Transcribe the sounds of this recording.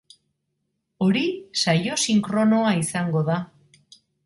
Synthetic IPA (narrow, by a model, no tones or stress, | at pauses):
o̞ɾisajo̞siŋkɾo̞no̞aisaŋɡo̞ða